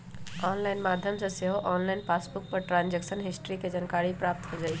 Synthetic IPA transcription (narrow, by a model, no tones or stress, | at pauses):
ɔːnlaːɪnmaːd̪ʱjəmsɐseɦoʔɔːnlaːɪnpaːsbʊk̚pɐɾʈɾãːnd͡ʑeksənɦɪsʈɾiked͡ʑɐnkaːɾipɾaːp̚t̪ɦod͡ʑaːi